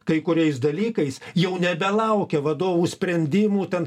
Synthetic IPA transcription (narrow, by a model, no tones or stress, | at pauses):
kɐɪkʊɾʲɛɪs̬d̪ɐlʲiːkɐɪsjɛʊnʲɛbʲɛlˠɐʊkʲɛʋɐd̪oːʋuːsʲpʲɾʲɛnʲd̪ʲɪmuːt̪ʲɛn